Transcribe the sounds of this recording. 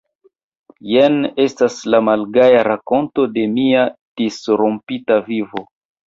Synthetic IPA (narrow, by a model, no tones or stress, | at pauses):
jene̞staslamalɡajaɾako̞nto̞de̞miad̥isɾompitavivo̞